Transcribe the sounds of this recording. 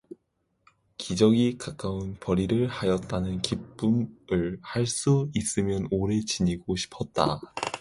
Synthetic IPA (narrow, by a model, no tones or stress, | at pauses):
kid͡ʑʌɡikak͈aunpʌɾiɾɯɭhajʌt̚t͈anɯnkip̚p͈umɯɭhaɭs͈uis͈ɯmjʌnoɾe̞t͡ɕiɲiɡoɕʰi̥pʰʌt̚t͈a